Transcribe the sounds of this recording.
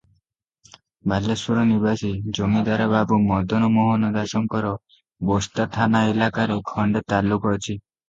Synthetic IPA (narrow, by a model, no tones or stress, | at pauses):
bʱalːesuɾɔnibasid͡ʒomid̪aɾɔbabumɔd̪ɔnɔmɔɦɔnɔd̪asɔŋkɔɾɔ | bost̪at̪ʰanaelakaɾekʰɔɳɖet̪alːukɔt͡ʃʰi